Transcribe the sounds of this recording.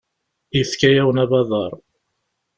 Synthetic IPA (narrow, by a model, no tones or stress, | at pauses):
iθkæjæwənæbɑðˤɑɾˤ